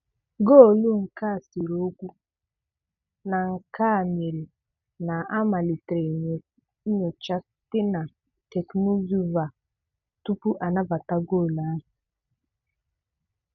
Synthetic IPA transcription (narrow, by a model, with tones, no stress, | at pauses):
ɡo˦˨lu˦ŋ̩˨ka˦˨si˨ɾo˦kʷu˦ | na˨ŋ̩˨ka˦˨m˨e˨l | na˨a˦ma˨li˨tɾe˨ɲ˨ | i˦ɲo˨t͡ʃa˦ | tɪ˦na˨ | tɛ˨kno˦zu˦va˨ | tu˦pu˦ʔa˨na˦ba˨ta˦ɡoː˦˨la˨˦˨